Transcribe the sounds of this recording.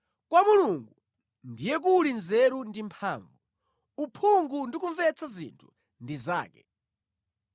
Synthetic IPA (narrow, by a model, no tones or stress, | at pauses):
kwamuluŋɡu | ndijɛk̬ulinzɛɾundimpʰaːɱvu | upʰuŋɡundik̬uɱvɛt͡sʰazḭntʰu̥̰ | ndiza̰ːkɛ̰